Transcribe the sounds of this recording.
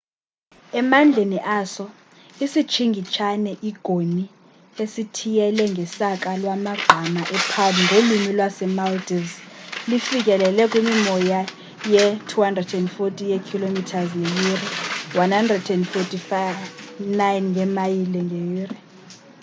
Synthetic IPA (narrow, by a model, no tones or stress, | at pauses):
ɛmand͡ɮʱeniʔaːsɔ | isi̥t͡ʃʰiŋɡʱit͡ʃʰanɛʔiɡ̥ʱoni | esitʰijɛlɛŋɡʱɛsak̬ʼalwamaɡ͡ǃʱamaʔɛpʰaliŋɡʱolumilwasɛmaltʼizlifik̬ʼɛlɛlɛkʼwimimɔja | jɛtʰuhandrɛdɛndfotʰʼijɛkʰilomitʰazŋejiriwanhandrɛdɛndfotʰʼifavnajnŋʱɛmajilɛŋʱejiːri